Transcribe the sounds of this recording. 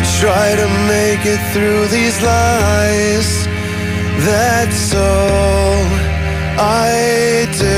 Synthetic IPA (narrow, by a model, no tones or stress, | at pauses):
tʰɹ̥aɪɾɨmeɪkɪt̪̚θɹʉðizlaɪz̥ | ðɨtsoʊ | ʔaɪdɪ